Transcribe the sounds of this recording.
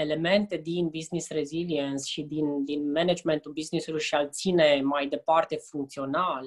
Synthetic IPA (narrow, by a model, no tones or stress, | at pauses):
e̞le̞me̞nt̪e̞d̪inbiznisreziliensʃid̪ind̪inmened͡ʒme̞nt̪ulbiznisulujʃialt̪sinemajd̪e̞part̪e̞fuŋk̚t̪sio̞nal